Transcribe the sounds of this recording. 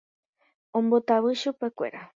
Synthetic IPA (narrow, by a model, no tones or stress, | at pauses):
ombot̪aβɨʃupekʷḛɾa